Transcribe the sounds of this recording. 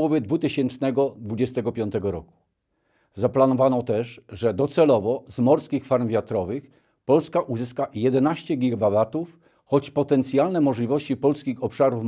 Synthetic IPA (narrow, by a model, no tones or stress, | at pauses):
ɔvjɛd̪vut̪ɘɕɛnt͡ʂnɛɡɔd̪vud͡ʑɛst̪ɛɡɔpʲjɔnt̪ɛɡɔɾɔku̥ | zaplanɔvanɔt̪ɛʂʐɛd̪ɔt̪sɛlɔvɔzmɔɾskʲixfaɾmvʲjat̪ɾɔvɘx | pɔlskaʔuzɘskajɛd̪ɛnaɕt͡ɕɛɡʲiɡababat̪uf | xɔt͡ɕpɔt̪ɛnt̪sʲjalnɛmɔʐlʲivɔɕt͡ɕipɔlskʲixɔpʂaɾuf